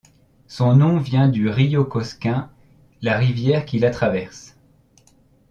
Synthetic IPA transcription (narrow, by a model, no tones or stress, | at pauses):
sɔ̃nɔ̃vjɛ̃d̪yʁijokɔskʲɛ̃ | laʁivjɛʁkʲilat̪χavɛʁs